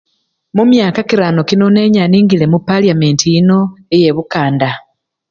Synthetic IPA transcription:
mumjaːkakiɾano̞kino̞ne̞ːɲaniːŋɡile̞mupːaliame̞ntiino̞eje̞βukaːnda

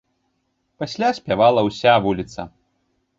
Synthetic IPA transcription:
pasʲlʲasʲpʲavalˠɐwsʲavulʲit̪sɐ̰

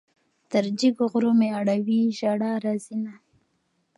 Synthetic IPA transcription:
t̪əɾd͡ʒiɡoɣɾomeaɽawiʒaɽaɾazina

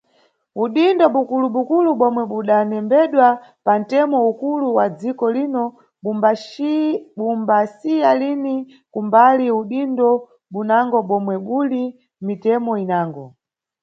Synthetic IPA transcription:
uɗindɔɓukuluɓukuluɓɔmwɛɓuɗanɛmbɛɗwapan̩tɛmɔukuluwad͡zikɔlinɔ | ɓumbasijalini | kumbaliuɗindɔ | ɓunaŋɡɔɓɔmwɛɓuli | mitɛmɔinaːŋɡɔ

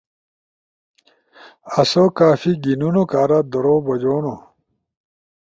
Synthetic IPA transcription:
ɐsokaːfiɡinunokaːɾad̪oɾoːbɐd͡ʑoːno

